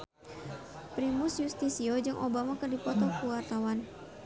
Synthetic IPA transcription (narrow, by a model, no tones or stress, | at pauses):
pɾimʊsjust̪isiɔd͡ʒɨŋʔɔbamakɨrdipɔt̪ɔkuwart̪awan